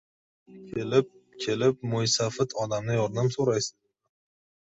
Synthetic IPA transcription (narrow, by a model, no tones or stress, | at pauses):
kʲʰelɪp̚kʲʰelɪp̚mʊjsafɪt̪ʰɒd̪amnɪjɒɾnamsoɾajsɪ̥z